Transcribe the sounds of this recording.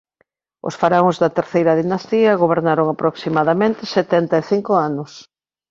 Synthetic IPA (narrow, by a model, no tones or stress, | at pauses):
ʊ̰sfaɾaoŋzðɐt̪eɾθejɾɐðinast̪iɐɣoβ̞eɾnaɾoŋapɾoksimaðamẽnt̪ɪset̪ɛnt̪aeθiŋkoanʊs